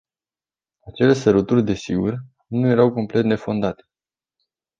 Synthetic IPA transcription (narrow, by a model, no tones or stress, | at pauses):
at͡ʃe̞lesəɾut̪urʲd̪e̞siɡur | nuje̞ɾawko̞mple̞t̪ne̞fo̞nd̪at̪e̥